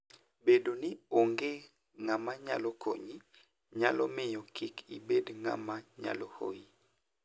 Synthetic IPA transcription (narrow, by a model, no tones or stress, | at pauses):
bedonioŋɡe | ŋamaɲa̰lɔkʰo̰ɲi | ɲalɔ̰mɪjɔkikibedŋa̰maɲa̰loho̰i